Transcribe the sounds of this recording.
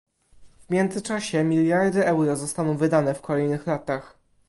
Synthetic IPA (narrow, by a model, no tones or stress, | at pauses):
vmʲjɛnd̪zɘt͡ʂaɕɛmʲiljaɾd̪ɘʔɛwɾɔzɔst̪anɔ̃w̃vɘd̪anɛfkʰɔlɛjnɘxlat̪ax